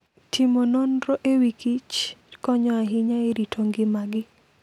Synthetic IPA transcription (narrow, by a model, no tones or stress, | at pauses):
tʰɪmononɾoʔewikit͡ʃkɔɲɔaɦɪɲaeɾitʰoŋɡɪmaɡɪ